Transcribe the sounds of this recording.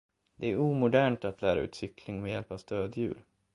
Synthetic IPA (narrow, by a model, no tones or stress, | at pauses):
d̪ɛæɾuːmʊd̪æːɳʈat̪læːɾaʉ̟ːt̪sʏkʰlɪŋmɛjɛlpavst̪øːd̪jʉ̟̰ːl